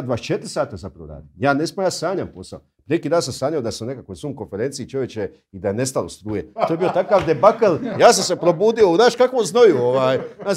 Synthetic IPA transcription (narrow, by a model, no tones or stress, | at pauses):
d̪ʋaːt͡ʃet̪ɾʲsaːt̪azapɾaʋoɾa̰ːd̪ijaːnesmojaːsaːɲampo̞sa̰opɾinekiːd̪aːnsamsaːɲaod̪asune̞kakojsuːmko̞nfeɾent̪sit͡ʃoʋje̞t͡ʃe | id̪ajene̞st̪alost̪ɾuːjet̪ojebijo̞t̪akaːʋd̪e̞bakaljaːs̬amse̞pɾobuːd̪io̞unaːʃkakʋomznojuoʋaːja